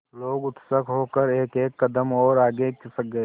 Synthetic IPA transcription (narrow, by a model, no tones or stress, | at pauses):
loːɡʊt̪səkʰɦoːkəɾeːkeːkːɐd̪əmɔːɾaːɡekɪsək̚ɡɐe